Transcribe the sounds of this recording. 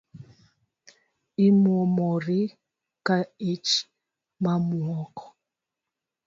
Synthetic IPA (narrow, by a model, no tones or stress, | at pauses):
imwɔmɔɾi | kaet͡ʃ | mamwɔkɔ̥